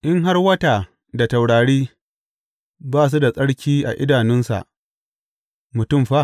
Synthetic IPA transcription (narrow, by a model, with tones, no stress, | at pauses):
ʔɪ˦ŋɦa˦rwɐ˦taː˨ | da˨ta˨wɽaː˨ɽiː˦ | baː˦s̬u˦da˨sʼɐ˦ɽkʲʰiː˦ʔa̰˨ʔɪ̰˦daː˨nɪ˦nsa̰˨ʔ | mʊ˨tʊ˦mɸa˦